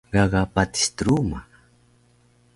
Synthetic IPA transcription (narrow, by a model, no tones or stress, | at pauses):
ɢɑɡapat̪i̥st̪ɾuma